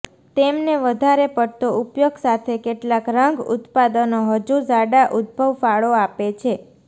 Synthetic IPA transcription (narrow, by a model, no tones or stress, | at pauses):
t̪emneʋəd̪ʱaɾepəɽt̪oʔupjoɡsat̪ʰekeʈlakɾəŋɡṵt̪pad̪ənoɦəd͡ʒuzaɽaʔud̪̚bʱəʋfaɭoapet͡ʃʰe